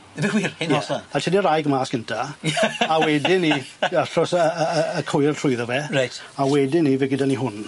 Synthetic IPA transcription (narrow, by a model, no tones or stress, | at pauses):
biwiːrɪnjɔsaatʰɛnirajɡmaːsɡ̥əntʰa | awɛdɪniaɬɔsəəːkʰɔjrtʰrʊjðɔvɛrajt | awɛdɪnivɛɡɪdaniɦʊn